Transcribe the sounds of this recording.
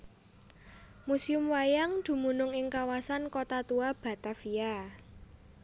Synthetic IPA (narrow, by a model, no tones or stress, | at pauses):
musiʊmwajaŋd̪̥ṳmunʊŋɪŋkawasankot̪at̪uab̥a̤t̪afia